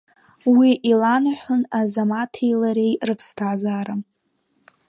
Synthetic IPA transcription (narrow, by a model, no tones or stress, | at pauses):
wiʔilanaħʷʊnazamatʰejlaɾejrɨpʰstʰazaːɾa